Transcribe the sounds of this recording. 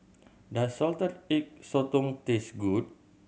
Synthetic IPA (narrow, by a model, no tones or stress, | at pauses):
dasɔlt̪ərɪk̚sɔt̪uŋt̪esɡut̪̚